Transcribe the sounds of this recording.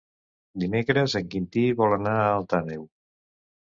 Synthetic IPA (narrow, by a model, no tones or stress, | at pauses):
d̪imekɾəzəŋkint̪iβɔlanaːlˠt̪anew